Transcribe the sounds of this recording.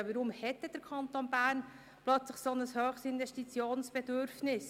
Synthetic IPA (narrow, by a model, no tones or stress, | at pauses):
ʋəɾʊmhɛt̪ːəd̥əɾkʰɑnt̪oːnbæːɾn | plœt͡sləχsɔnəshøːχstɪnvɛʃtit͡sjoːnsb̥ɛdʏɾfnɪs